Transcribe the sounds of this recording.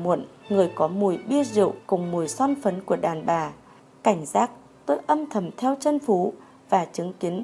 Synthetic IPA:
mṵ˧˨nŋɨ˨˩əjkɔ˨˦mu˨˩əjɓi˧əzḭ˧˨ə˨wkʊ˨˩ŋ͡mmu˨˩əjsɔ˧nfə˨˦nku˧˩əɗaː˨˩nɓaː˨˩ | ka˧˩jŋ̟zaː˦˥k̚ | t̪oː˧jʔə˧mt̪ʰə˧˩mt̪ʰɛ˧wt͡ɕə˧nfu˨˦ | vaː˨˩t͡ɕɨ˨˦ŋki˨˦ən

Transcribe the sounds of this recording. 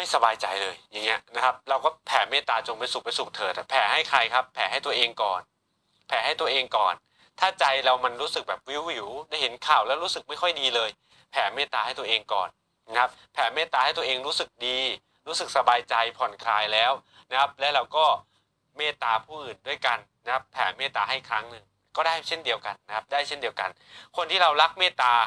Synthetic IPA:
ma˥˩jsa˧baː˧jt͡ɕa˧jlɤː˧jja˨˩ŋːi˦˥ɐna˦˥kʰa˦˥p̚ɾa˧wkɔː˥˩pʰɛː˩˦meː˥˩t̪ːaː˧t͡ɕo˧ŋpa˧jsu˨˩kpa˧jsu˨˩k̚t̪ʰɤː˨˩t̪pʰɛː˩˦ha˥˩jkʰɾa˧jkʰa˦˥pʰːɛː˩˦ɦa˥˩jt̪u˧ɐʔeː˧ŋkɔ̰ː˨˩n | pʰɛː˩˦ɦa˥˩jt̪u˧ɐʔeː˧ŋkɔː˨˩n | t̪ʰaː˥˩t͡ɕa˧jɾa˧wma˧nɾuː˦˥sɯ˨˩k̚bɛː˨˩p̚wi˦˥wːi˩˦wdaː˥˩jɦe˩˦nkʰaː˨˩wlɛː˦˥wɾuː˦˥sɯ˨˩k̚ma˥˩jkʰɔ˥˩jdiː˧lɤː˧j | pʰɛː˩˦meː˥˩t̪ːaː˧ha˥˩jt̪u˧ɐ˧ʔeː˧ŋkɔ̰ː˨˩nː | a˦˥kʰa˦˥p̚pʰɛː˩˦meː˥˩t̪ːaː˧ha˥˩jt̪u˧ʔeː˧ŋɾuː˦˥sɯ˨˩k̚diː˧ | ɾuː˦˥sɯ˨˩k̚sa˧baː˧jt͡ɕa˧jpʰɔ˨˩nkʰlaː˧jlɛː˦˥wna˦˥kʰa˦˥p̚lɛ˦˥wɾa˧wkɔː˥˩ | meː˥˩t̪aː˧pʰuː˥˩ʔɯː˨˩ndu˥˩əjka˧nna˦˥kʰa˦˥pʰɛː˩˦meː˥˩t̪ːaː˧ɦa˥˩jkʰɾa˦˥ŋnɯ˧ŋ | kɔː˥˩daː˥˩jt͡ɕʰe˥˩ndi˧əwka˧nːa˦˥kʰa˦˥p̚daː˥˩jt͡ɕʰe˥˩ndi˧əwka̰˧n | kʰo˧nt̪ʰiː˥˩ɾa˧wɾa˦˥k̚meː˥˩t̪aː˧

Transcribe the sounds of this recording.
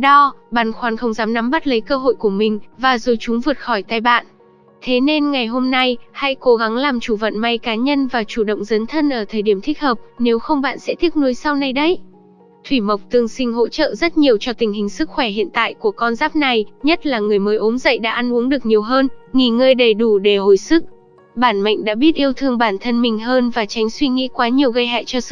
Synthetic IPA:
ɗɔ˧ɓaː˧˨nxwaː˨˦nxə˧wŋ͡mzaː˨˦mna˨˦mɓa˦˥t̚lə˨˦jkəː˧ɦo̰˧˨jku˧˩əmï˨˩ŋ̟vaː˨˩zo˨˩jt͡ɕʊ˨˦ŋ͡mvɨ˨˩ət̚xɔ˧˩jt̪aː˧jɓa̰ː˧˨nʔ | t̪ʰe˨˦ne˧nŋa˨˩jɦo˧mna˧jha̰˧˥jko˨˦ɣa˨˦ŋlaː˨˩mt͡ɕu˧˩və̰˧˨nma˧˩jkaː˨˦ɲə˧nvaː˨˩t͡ɕu˧˩ɗə̰˧˨wŋ͡mzə˨˦nt̪ʰə˧nʔəː˧˩t̪ʰəː˨˩jɗi˧˩əmt̪ʰï˦˥k̚həː˨˩p̚ne˨˦wxə˧wŋ͡mɓa̰ː˧˨nsɛ̰˧˥t̪ʰi˦˥ənu˨˦əjsa˧wna˧jɗə˧˦˥j | t̪ʰwi˧˩mə˨˩wk͡p̚t̪ɨ˧˩əŋsï˧ŋ̟ɦo̰˧˥t͡ɕə̰ː˧˨zə˦˥t̚ɲi˨˩əwt͡ɕɔ˧t̪ï˨˩ŋ̟hï˨˩ŋ̟sɨ˦˥k̚xwɛ˧˩hḭ˧˨ənt̪a̰ː˧˨jku˧˩əkɔ˧nzaː˦˥p̚na˨˩jɲə˦˥t̚laː˨˩ŋɨ˨˩əjməː˨əjʔo˨˦mzə̰˧˨jɗa̰ː˧˥ʔa˧nʔu˨˦əŋɗɨ˨˩ək̚ɲi˨˩əwɦəː˧nŋi˨˩ŋəː˧jɗə˨˩jɗu˧˩ɗe˧˩ho˧˩jsɨ˦˥k̚ | ɓaː˧˩nma̰˧˨ŋ̟ɗa̰ː˧˥ɓi˦˥ət̚ʔi˧əwt̪ʰɨ˧əŋɓaː˧˩nt̪ʰə˧nmï˨˩ŋ̟ɦəː˧nvaː˨˩t͡ɕa˨˦ŋ̟swi˧ŋḭ˧˥kwaː˨˦ɲi˨˩əwɣə˧jɦa̰ː˧˨jt͡ɕɔ˧˦˥

